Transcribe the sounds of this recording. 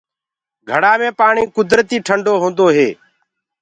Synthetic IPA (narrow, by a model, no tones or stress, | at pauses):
ɡʱəɽaːmẽːpaːɳĩːkʊd̪ɾt̪iːʈʰəɳɖoːɦõːnd̪oːɦeː